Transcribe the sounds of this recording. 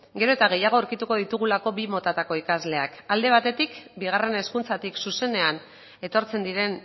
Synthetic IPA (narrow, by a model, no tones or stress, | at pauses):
ɡe̞ɾo̞et̪aɣ̞e̞jaɣ̞o̞ːɾkit̪uko̞ðit̪uɣ̞ulako̞βimo̞t̪at̪ako̞ikazle̞akald̪e̞β̞at̪e̞t̪ikbiɣ̞are̞ne̞skunt͡sat̪iksuse̞ne̞an | e̞t̪o̞ɾt͡se̞nd̪iɾe̞n